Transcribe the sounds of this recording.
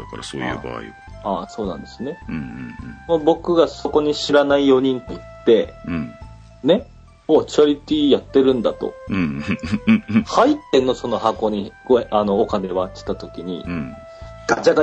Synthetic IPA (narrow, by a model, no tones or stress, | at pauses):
kɾsoːjɯ̰ːba̰ːḭ | aːso̞ːnã̰nd̪̥e̞sɨne̞ɯ̃mobo̞kɯ̟ɡaso̞ko̞ɲ̟iɕiɾanaijo̞ɲ̟ĩnt̪ot̪ːe̞ | ne̞ | oːt͡ɕɯaɾʲit̪ʲiːjat̪ːe̞ɾɯ̟̃nd̪at̪o̞̰ | hait̪ːe̞nːoso̞no̞hako̞ːɲ̟iɡ̥oano̞ːkane̞βat̪ʲːe̥t̪at̪o̞kʲiɲ̟ḭ | ɡ̥ad͡ʑaɡa